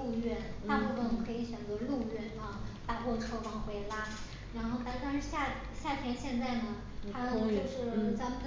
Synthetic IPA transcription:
u˥˧ɥɛ˥˩n | a˥˧mɔ˥˩o˧˥˩kʰɤ˧˥i˧˥ɕɥɛ˨˩nt͡sə˧˥lu˥˧ɥɛ˥˧˩nfɑ˥˩ŋt̪a˨˩kwɔ˥˧ʈ͡ʂʰɤ˥˧ʊfɑ˥˧ŋxwe˧˥ɪla˥ | ɻa˧˥nxo˥˩ʊt̪a˥nt̪a˥ɕja˥˩ | ɕja˥˩t̪ʰjɛ˧˥nɕjɛ˥˧nt͡sa˥˩ɪnə˩ | tʰa˥˧t͡ɕo˥˧ʊʂɻ̩˥˩t͡sa˧˥mə˨n

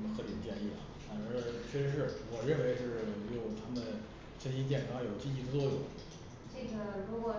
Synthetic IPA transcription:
mə˧nxɤ˧˥li˨˩nt͡ɕjɛ˥˧ni˥˩ɐ˩fa˨˩nə˧˥ɕɥɛ˥˩ʂʂɻ̩˥˩wɔ˨˩ɻə˥˧nwe˧˥ɪʈ͡ʂʂ̩˥˩˧jo˨˩ʊt̪ʰa˥mə˨n | ɕɛ˥nɕi˥nt͡ɕ̪̬jɛ˥˩nkʰɑ˥ŋjo˨˩ʊt͡ɕi˥˧i˥˩d̪ə˩t͡swɔ˥˩jʊ̰˨˩˦ŋ | t͡ɕɛ˥˩ɡə˨˩ɻu˧˥kwɔ˨˩

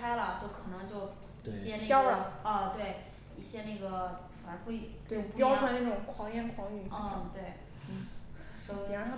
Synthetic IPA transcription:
a˥ɪlə˨t͡ɕjo˥˩ʊkʰɤ˨˩nɤ˧˥ŋt͡ɕjo˥˩ʊ | i˥˩ɕjɛ˥n˥jɑ˥ʊ˨˩ɐ˥˧t̪we˥˩ɪ | i˥˩ɕjɛ˥na˥˩ɡə˩fa˧˥pu˥˩i˨˩t̪we˥˧˩pjɑ˥ʊwa˧˥na˥˩ʈ͡ʂʊ˨˩ŋkʰwɑ˧˩ŋjɛ˥˩nkʰwɑ˧˥ŋy˨˩˥ŋt̪we˥˩ɪ˥˩ | ɔ˧˥˧jɛ˧˩ə˧˥t̪ʰa˥

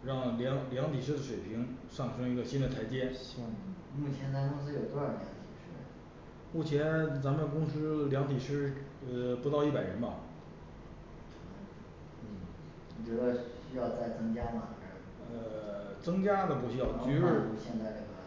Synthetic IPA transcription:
ɻɑ˥˩ŋljɑ˧˥ŋljɑ˧˥ŋt̪ʰi˨˩ʂ̬ɻ̩˥d̪ə˨ʂwe˨˩ɪpʰi˧˥ŋʂɑ˥˩ŋʂʰɤ˥ŋi˧˥ɡə˧ɕi˥nd̪ə˨t̪ʰa˧˥ɪt͡ɕjɛ˥˩ | mu˥˩t͡ɕʰjɛ˧˥nt͡sa˧˥kʊ˥ŋs̬ɹ̩˥jo˨˩ʊt̪ljɑ˧˥ŋt̪ʰi˨˩ʂɻ̩˥˩ | mu˥˩t͡ɕʰjɛ˧˥nt͡sa˧˥mə˥˩kʊ˥ŋsɹ̩˥ljɑ˧˥ŋt̪ʰi˨˩ʂɻ̩˥˧ | pu˧˥t̪ɑ˥˧ʊi˥˩pa˨˩ɪɻə˧˥nbɐ˨˧˩ | wɔ˨˩t͡ɕɥɛ˧˥d̪ə˧ɕɕy˥jɑ˥˧ʊt͡sa˥˩ɪt͡sɤ˥ŋt͡ɕja˥mɐ˨˩˥ | ə˧˩t͡sɤ˥ŋt͡ɕja˥d̪ə˨pu˧˥˩ɕy˥jɑ˥˩ʊ˧y˧˥ɻ̩˥˩u˧ɕjɛ˥˧nt͡sa˥˧ɪʈ͡ʂə˥˩ɡə˧˩

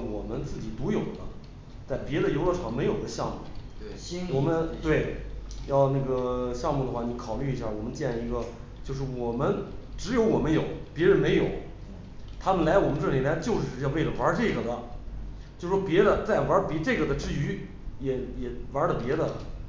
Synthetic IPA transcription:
wɔ˨˩mə˦nt͡sɹ̩˥˩t͡ɕi˨˩t̪u˧˥jo˨˩ʊd̪ə˦ | t͡sa˥˩ɪpjɛ˧˥d̪ə˧˨jo˧˥lə˥˧˩ʈ͡ʂʰɑ˨˩ŋme˧˥ɪjo˨˩ʊd̪ə˦ɕjɑ˥˧ŋmu˥˩ | wɔ˨˩mə˦nt̪we˥˩ɪjɑ˥˧ʊna˥˩ɡə˩ɕjɑ˥˧ŋmu˥˩d̪ə˩xwa˥˩ni˧˥kʰɑ˨˩ʊly˥˩i˧˥ɕja˥˩wɔ˨˩mə˦nt͡ɕjɛ˥˩nli˧˥ɡə˧t͡ɕjo˥˧ʊʂ̬ɻ̩˥˩wɔ˨˩mə˦nʈ͡ʂɻ̩˧˥jo˧˥ʊwɔ˨˩mə˦njo˨˩˦ʊpjɛ˧˥ɻə˧˥nme˧˥ɪjo˨˩˦ʊ | t̪ʰa˥mə˨nla˧˥ɪwɔ˨˩mə˦nʈ͡ʂɤ˥˩li˨˩la˧˥t͡ɕjo˥˧ʊʂɻ̩˥˧jɑ˥˧we˥˩ɪlə˩wa˞˧˥ʈ͡ʂɤ˥˩ɡə˩d̪ə˦ | t͡ɕjo˥˩ʊʂʂwɔ˥pjɛ˧˥d̪ə˧t͡sa˥˩ɪ˩wa˞˧˥pi˧˥ʈ͡ʂɤ˥˩ɡə˩d̪ə˩ʈ͡ʂɻ̩˥˩y˧˥ | jɛ˨˩jɛ˨˩wa˧˥lə˨pjɛ˧˥d̪ə̰˧˨

